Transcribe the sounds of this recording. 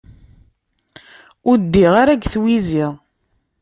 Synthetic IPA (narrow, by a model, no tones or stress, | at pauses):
ʊɾd̪ːiʁaɾæɡθwiziʁ